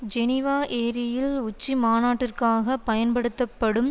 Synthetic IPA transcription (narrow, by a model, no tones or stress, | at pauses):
d͡ʒɛnɪʋaːʔeːɾɪjɪlʊt͡ʃːimaːnaːʈːɪrkaːɣɐpːɐjɐnpɐɽɯt̪ːɐpːɐɽɯm